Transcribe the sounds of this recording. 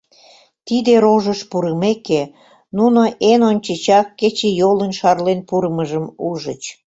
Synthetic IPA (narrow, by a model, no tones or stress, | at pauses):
t̪id̪eɾoʒəʃpuɾəmeke | nunoʔenonʲt͡ɕət͡ɕɑkːet͡ɕejolənʃɑrlenpuɾəməʒəmuʒət͡ɕ